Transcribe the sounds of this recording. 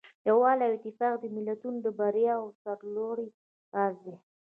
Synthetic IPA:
jawɑlawɪt̪ːɪfɑqd̪əmɪlat̪unod̪əbaɾjɑwsaɾloɽi | azd̪e

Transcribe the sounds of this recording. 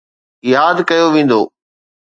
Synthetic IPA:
jaːd̪kɐjoʋẽːn̆d̪o̰ː

